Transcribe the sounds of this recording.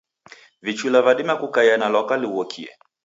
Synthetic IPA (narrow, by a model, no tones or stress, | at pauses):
vit͡ʃuilavaɗimakukaianalɔkaliuɔkʰiɛ̰